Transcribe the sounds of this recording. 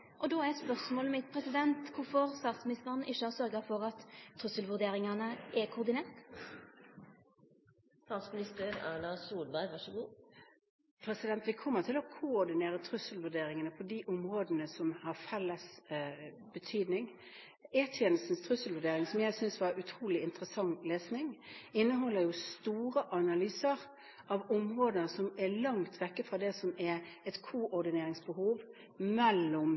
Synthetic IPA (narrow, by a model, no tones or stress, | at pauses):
ʔɔd̪oːɛspœʁsmoːləmɪt̪̚pʰɾɛsɪd̪ɛnt̪kʊɾfɔɾst̪ɑːt̪smɪnɪst̪əɾənʔɪʃːəhɑsœɾɡəɾfɔɾɑt̪ʰːɾʉsəlʋʉɾd̪eːɾɪŋɑnəʔɛkʰʊʊd̪ɪneːʁt̪ | st̪ɑːt̪smɪnɪst̪əɾæ̰lɑsuːlbæɪʋɑʂəɡuː | pʰɾɛsɪd̪ɛnt̪ʋɪkʰɔmːət̪ʰɪlɔkʰʊɔɾd̪ɪneːɾət̪ʰɾʉsəlʋʉɾd̪eːɾɪŋənəpʰɔd̪iʔʊmɾoːd̪ənəsɔmhɑɾfɛlːəs | bət̪ʰyːd̪nɪŋ | eːt̪ʰjeːnəst̪n̩st̪ʰɾʉsəl̩ʋʉɖ̪eːɾɪŋsɔmjæɪsʏnsʋɑɾʉt̪ʰɾuːlɪɪnt̪ɾəsɑŋːleːsnɪŋɪnːəɦɔlːəɾjʊst̪uːɾəʔɑnɑlyːsəɾ | ɑʋɔmɾoːd̪ənəsɔmɛlɑŋt̪ʰʋɛkːəfɾɑd̪ɛsɔmɛɾɛt̪kʰuʔɔɾd̪ɪneːɾɪŋsbəhuːʋ | mɛlːʊm